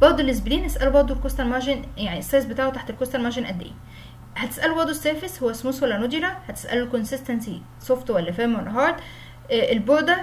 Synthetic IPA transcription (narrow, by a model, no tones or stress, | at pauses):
bɑʕd̪ˤulːes̬bliːnʔæsʔælubɑʕd̪ˤolkost̪ælmɑʒenjaʕniʔesˤːɑːs̬bet̪aːʕot̪aħt̪elkost̪ælmæʃenʔæd̪ːḛʔḭ | hæt̪e̥sʔælubɑɾd̪ˤosːæːfeshowːæsmuswælːænod̪iːɾæhæt̪e̥sʔæ̰lulkonsɪst̪ænsi | sˤoft̪wælːæfæːmwenːɑɦɑːɾˤd̪ˤ | ʔelboʕd̪æ